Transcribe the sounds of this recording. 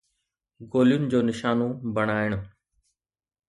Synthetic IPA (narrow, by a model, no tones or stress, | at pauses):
ɡoːlijʊnɪd͡ʑoːnɪʃaːnobɐɽ̃aːɪɽ̃ʊ